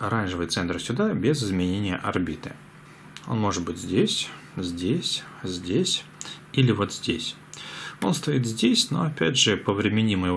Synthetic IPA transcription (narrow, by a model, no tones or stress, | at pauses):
ɐɾanʲʐɨvɨjt̪sɛnt̪ɾəsʲʊd̪abʲezɨzmʲɪnʲenʲɪjə̰ʔɐrbʲit̪ɨ̰ | o̞̰nmo̞ʐɨt̪̚bɨtʲzʲdʲesʲzʲdʲesʲ | zʲdʲesʲ | ilʲɪvo̞t̪z̥ʲdʲesʲ | o̞̰nst̪ɐit̪zʲdʲesʲno̞̰ɐpʲæ̰dʲʐɨpəvɾʲɪmʲɪnʲiməjɪv